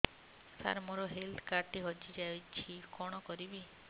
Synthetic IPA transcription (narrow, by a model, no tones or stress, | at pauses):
sa̰ɾmɔɾɔɦelt̪ʰkaɾʈiɦɔd͡ʒid͡ʒat͡ʃʰikɔɽ̃ɔkɔɾibi